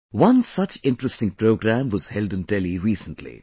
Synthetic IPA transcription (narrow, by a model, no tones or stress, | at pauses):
wʌ̃nsʌt͡ʃɪ̃nʈɾəstɪ̃ŋpɾoːɡɾæ̃mwʌz̥hɛldɨ̃ntɛliɾiːsə̃nʈʰlḭ